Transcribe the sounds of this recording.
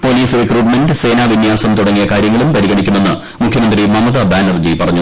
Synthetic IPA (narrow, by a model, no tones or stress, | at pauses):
po̞ːliːsrikruːʈmenɖɨse̞ːnaːʋinjaːsɐmt̪uɽɐŋːijɐkaːɾjɐŋːɐɭumpɐɾiɣɐɳikʲːume̞nːɨ | mukʰjɐmɐnd̪rimɐmɐðɐbaːnɐrd͡ʑipɐrɐɲːu